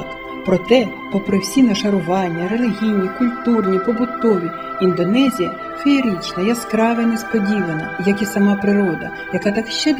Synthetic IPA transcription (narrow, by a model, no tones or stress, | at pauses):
pɾɔt̪ɛ | pɔpɾɪwsʲinɐʃɐɾʊʋɑnʲːɐɾe̞lʲɪɦʲijnʲikʊlʲt̪urnʲipɔbʊt̪ːɔʋʲi | ind̪ɔnɛzʲijɐ̰ | feːɾʲit͡ʃnɐjaskɾɑʋenespɔdʲiʋɐnɐjɐkisɐmɑpɾɪɾɔd̪ɐ̰ | jɐkɑt̪ɑkʃt͡ʃɛ